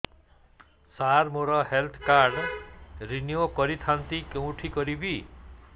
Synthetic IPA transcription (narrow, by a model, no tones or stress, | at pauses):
saɾmoɾɔɦelt̪ʰkaɾɖɾinjokɔɾit̪ʰant̪ikew̃ʈʰikɔɾibʱi